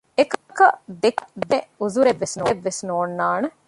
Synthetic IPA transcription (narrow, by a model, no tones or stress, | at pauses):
ekkɐd̪ekd̪euzuɾeʋːesnoːʋːesnoːnːaːnɐ